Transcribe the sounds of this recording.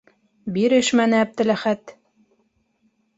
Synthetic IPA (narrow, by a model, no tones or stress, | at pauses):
biɾɘʃmænɘæb̚d̪ɘ̆læχæt̪